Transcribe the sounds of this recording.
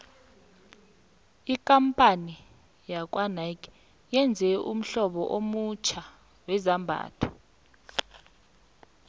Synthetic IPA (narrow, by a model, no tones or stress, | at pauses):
ikʼampʼani | jak̬ʼwanajkʰʼ | jɛnd͡zʱɛum̩ɬɔɓɔʔomut͡ʃʰa | wɛzambʱa̰ːtʰɔ̥